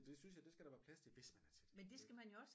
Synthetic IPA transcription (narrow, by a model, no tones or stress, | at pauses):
d̥e̝synsjɑ̈ɪd̥e̝sɡ̥æɾ̥æʋæːɐpʰlæslʰeʋe̝smænæɐt͡sʰed̥mend̥e̝sɡ̥æmænjoɒ̽s